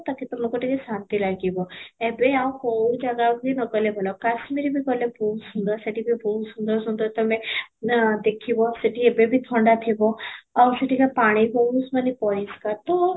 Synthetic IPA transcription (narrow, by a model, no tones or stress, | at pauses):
t̪akit̪əmokoʈikesant̪ilaɡibɔɛbeawkɔud͡ʒaɡaɡinɔkəlebʱɔlakasmiɾibʱikɔlebʱusũnd̪asɐʈibʱibʱusund̪əɾsũnd̪ɔt̪əmẽ | d̪ekʰibɔsəʈiɛbebʱit̪ʰɔɳɖat̪ʰibɔasəʈikapaɽ̃ibɔɦusmənipɔiskat̪o